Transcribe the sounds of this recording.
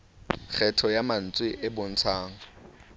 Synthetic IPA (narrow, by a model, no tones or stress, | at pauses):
k͡xʰɛtʰɔjaman̩t͡sʼwɪʔɪbʊn̩t͡sʰaːŋ̩